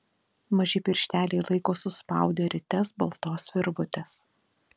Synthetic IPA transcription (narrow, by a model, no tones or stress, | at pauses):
mɐʒʲɪpʲɪɾʲʃʲt̪ʲæːlʲɛɪlˠɐɪkoːsʊspɑ̰ˑʊd̪ʲeːɾʲɪt̪ʲɛsbɐlˠt̪oːsʋʲɪɾʋʊt̪ʲɛs